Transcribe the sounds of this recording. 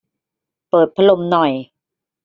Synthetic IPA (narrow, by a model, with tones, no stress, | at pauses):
pɤː˨˩t̪̚pʰa˧˦lo˧mnɔ˨˩j